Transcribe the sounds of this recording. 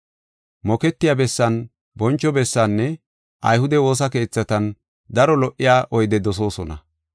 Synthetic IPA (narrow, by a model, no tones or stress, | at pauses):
mɔkɛt̪ːɪjabɛsːɐn | bɔnt͡ʃːɔbɛsːanːɛ | ʔɐ̰jhʊd̪ɛwo̞ːs̬ɐke̞ːt͡sːɐt̪ɐn | d̪ɐɾɔlɔʔːɪjaːʔɔjd̪ɛd̪ɔs̬o̞ːsɔnɐ